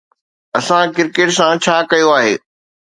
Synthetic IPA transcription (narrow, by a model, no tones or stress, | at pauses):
ɐsãkɪɾkeːʈsãt͡ɕʰaːkɐjoaːɦḛː